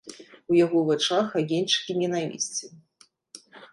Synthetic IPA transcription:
ujaɣɔvat͡ʂaxaɣʲenʲt͡ʂɨ̥kʲinʲɛnavʲḭsʲt͡sʲɛ

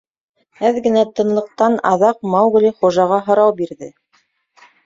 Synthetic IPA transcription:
hæðɡɘ̆næt̪ɤ̆nlˠɤ̆q̚t̪ɑnɑ̰ðɑq̚mɑwɣlʲiχuʒɑʁɑɦŏɾɑwbiɾðɘ

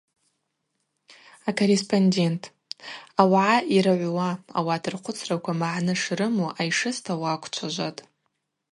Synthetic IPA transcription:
akʰorespʰʼondʲe̞ntʰ | awʕaʔiɾaʕʷwaa̰watʰɨrqʰʷʊt͡sʰrakʷʰamaʕnɨʂrɨmuʔajʂɨstʰawaːkʷʰt͡ʃʷʰaʒʷatʼ

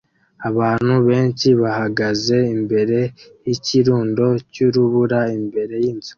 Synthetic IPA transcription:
aβaːn̥huβe̞ːnt͡ʃiβahaɡaze̞imbe̞ɾe̞jiciɾuːndo̞cuɾuβuɾaimbe̞ɾe̞jiːnzu̥

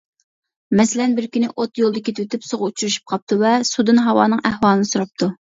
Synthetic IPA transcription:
mɛsɪlɛnbɪɾkʲynɪʔot̪jolˠd̪əkʲʰet̪ʰɪwet̪ɪpsoʁʊut͡ʃʰuɾyʃy̥p̚qʰɑp̚t̪ʰuvɛsud̪ɨnɦɑwɑ̰ːnɨŋʔæhwɑːlˠɨnɨsuɾɑp̚t̪ʰu

